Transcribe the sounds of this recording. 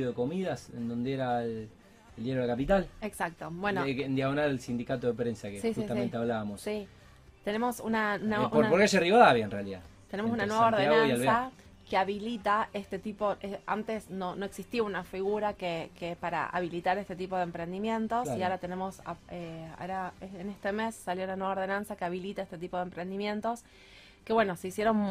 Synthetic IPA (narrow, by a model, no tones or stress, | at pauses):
oekomiðasend̪o̞nd̪eeɾael | eld̪jeɾolakapit̪aleksak̚t̪o̞bwenoend̪jaɣonalelsind̪ikat̪oðepɾensakesiut̪ament̪eaβlaβamossi | t̪e̞ne̞mo̞sunaunaupoɾnapoɾkeaʃeriβaðaβjaenrealiða̰t̪e̞ne̞ms̬unanweβaoɾðenaaoβjalsa | keaβilit̪aest̪e̞t̪ipo̞ea̰nt̪e̞sno̞no̞e̞ksist̪iunafiɣuɾakekepaɾa̰a̰βilit̪aɾest̪e̞t̪̬ipo̞ðempɾe̞nd̪imjẽ̞nt̪o̞siaoɾat̪e̞ne̞mo̞sa̰ea̰oɾaeenest̪eme̞sːaljo̞unanwe̞βaoðe̞nansakeaβilit̪aest̪e̞t̪ipo̞ðempɾend̪imjẽ̞nt̪o̞s | ke̞βweno̞seisjeɾon